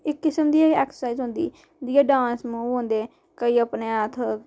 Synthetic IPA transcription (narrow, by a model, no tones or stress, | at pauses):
ɪkːɪsəmd̪iːaɛːksə̥saizɦʊ̃nd̪iː | d̪iːaːɖãːnsmũːɦõnd̪eː | kəiːəpneːət̪ʰ